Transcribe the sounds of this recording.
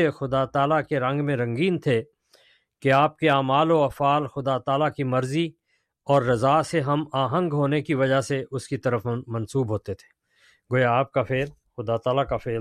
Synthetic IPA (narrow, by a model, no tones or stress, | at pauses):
exʊd̪at̪aːlakeɾɐ̃ŋɡmẽɾɐ̃ŋɡiːnt̪ʰe | keaːp̚keaːmaːloɐfaːlxʊd̪at̪aːlakimɐɾzi | ɔːɾːɐzaːseɦɐmaːɦə̃ŋɡɦoːnekiʋɐd͡ʒaɦseʔʊskit̪ɐɾəfmɐ̃nsuːbɦoːt̪et̪ʰe̥ː | ɡoːjaːp̚kafeːl | xʊd̪at̪aːlakafeːl